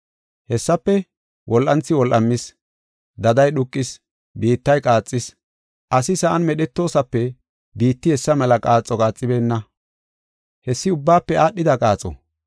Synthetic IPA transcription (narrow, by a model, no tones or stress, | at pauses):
hɛsːɐpːɛ | wʔɔlʔɐnt͡sːɪwɔlʔɐmːɪs | d̪ɐd̪ɐjɗʊkʼːɪs | biːt̪ːɐjkʼaːt͡sʼːɪs | ʔɐsɪsɐʔɐnmɛɗɛt̪ːo̞ːsɐpːɛ | biːt̪ːɪhɛsːɐmɛlɐkʼaːt͡sʼːɔkʼaːt͡sʼːɪbe̞ːnːɐ | hɛsːɪʊbːaːpːɛaːɗːɪd̪ɐkʼaːt͡sʼɔ̰